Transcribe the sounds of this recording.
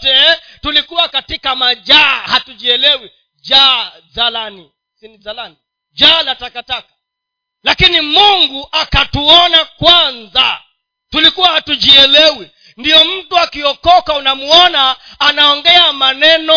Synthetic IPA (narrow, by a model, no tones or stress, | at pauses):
tɛ | tulikuwakatikamaʄahatuʄiɛlɛwi | d͡ʒa | zalani | sinizalani | d͡ʒalatakatakḁ | lakinimuŋɡuʔakatuɔnakwanza | tulikuwahatuʄiɛlɛwi | ndijɔm̩tuakiɔkɔkaunamuɔnaː | naɔŋɡɛamanɛnɔ